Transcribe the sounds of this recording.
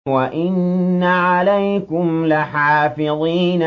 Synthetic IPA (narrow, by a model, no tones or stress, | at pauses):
waʔɪnːaʕalajkʊmlaħaːfɪðˤiːn